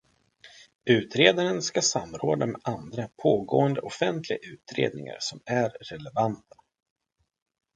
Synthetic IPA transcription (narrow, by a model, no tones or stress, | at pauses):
ʉ̟ːt̪ɾeːd̪aɾənskasamːɾoːd̪amɛʔand̪ɾapʰoːɡoːənd̪əʔɔfɛnt̪lɪɡaʉ̟ːt̪ɾḛːd̪nɪ̰ŋa̰ɾsɔmæɾːɛlɛvant̪ʰḁ